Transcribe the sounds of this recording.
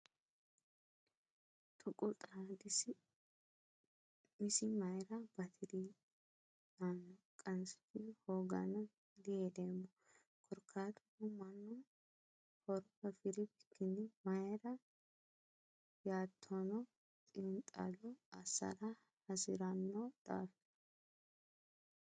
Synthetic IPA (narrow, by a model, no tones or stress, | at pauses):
t̪ʼʊkʼʊt̪ʼad̪ɪsɪ | mɪsɪmɐjɾɐbɐt̪ʰɪɾi | anːɔkʼɐnsɪ̥t̪ɪhoːɡɐ̰nɐ | d̪ɪed̪emːɔ | kʰʼɔɾkʰːaːt̪ʊʊmɐnːɔ | hɔɾɔhɐfɪɾɪbɪkʰːɪnːɪmɐjɾɐ | jaːt̪ʰːɔnɔ | tʼɪnt̪ʼa̰lɔɐsːɐ̰ɾɐ | hɐsɪ̰ɾɐnːɔd̪̥a̰ːf